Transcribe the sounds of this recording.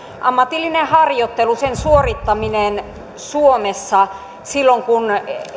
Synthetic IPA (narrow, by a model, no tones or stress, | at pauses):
ʔɑmːɑt̪ilːinehɑrjot̪ːelusensuorit̪ːɑminen | suomesːɑ | silːoŋkun